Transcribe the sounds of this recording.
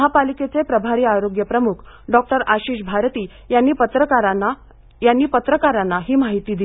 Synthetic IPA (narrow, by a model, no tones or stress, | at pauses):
ɦapaliket͡sepɾəbʱaɾiːaɾoɡjəpɾəmukʰ | ɖɔk̚ʈəɾaɕiːɕbʱaɾt̪iː | janːiːpət̪ɾəaɾana | janːiːpət̪ɾəkaɾanːaɦiːmaɦit̪iːd̪i